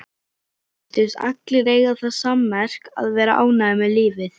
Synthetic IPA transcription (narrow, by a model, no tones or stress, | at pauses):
t̪ɪsa̰k̚t̪lɪɾeːjɣaθaðsamːɛr̥ka̰ðvɛːɾa̰ʔaːwnaɪmɪliːvɪθ